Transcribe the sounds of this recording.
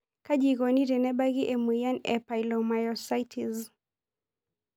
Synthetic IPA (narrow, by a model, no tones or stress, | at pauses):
kad͡ʒiɣɔniɾɛnɛbaɣiʔɛmwijanɛ̰pajlɔmajɔsajtʰiz